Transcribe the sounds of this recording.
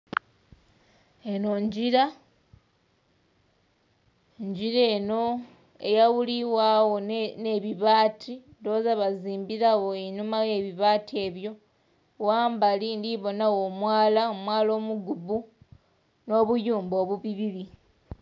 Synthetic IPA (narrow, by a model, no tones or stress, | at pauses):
e̞no̞ɲɟiɾa | ɲɟiɾe̞no̞ | ḛjawuliwawo̞ne̞βiβaːtʰindo̞ːzaβaziːmbiɾawo̞enumaje̞βiβaːtʰie̞ːβjo̞ | waːmbalindiβo̞nawo̞ːmwaːlaomwaːlo̞ːmuɡubu | no̞ːβujuːmbo̞ːβuβiβiɾi